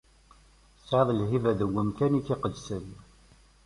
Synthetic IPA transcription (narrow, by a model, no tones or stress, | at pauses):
sʕðˤlɦivæðəɡːəmkænikːɪqəd̪sən